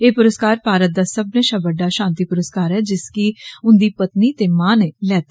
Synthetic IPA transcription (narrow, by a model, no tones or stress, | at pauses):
eːpʊɾəskaːɾpaːɾət̪̚d̪aːsəbnẽːʃaːbəɖːaːʃãːnt̪iːpʊɾəskaːɾɛːd͡ʒɪskiʊnd̪iːpət̪niːt̪eːmaːneːlɛːt̪ː